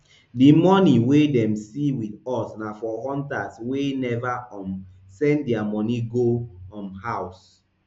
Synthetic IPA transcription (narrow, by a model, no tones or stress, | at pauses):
dimɔniwedɛ̃msiwiθɔsnafɔhɔ̃ntaswenɛvaɔ̃m | sɛ̃ndiamɔniɡoɔ̃mhaws